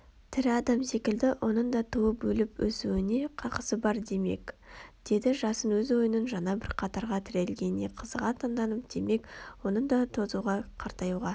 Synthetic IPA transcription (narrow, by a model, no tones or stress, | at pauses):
t̪ʰɪɾɑd̪ɑmse̞kʲɪld̪ɪwʔo̞nəɴd̪ɑt̪ʰuwəpbɵlɪpwɵsuwɪne̞qʰɑqə̥səbɑɾd̪e̞me̞̰kd̪̥e̞d̪ɪʒɑsənwɵzwo̞jənənʒɑnɑbɪɾqʰɑt̪ɑɾʁɑt̪ʰɪɾe̞lɡʲe̞ne̞qʰəzəʁɑt̪ʰɑnd̪ɑnəp̚d̪̥e̞me̞kwo̞nəɴd̪ɑt̪ʰo̞zuʁɑqʰɑɾt̪ɑjuʁɑ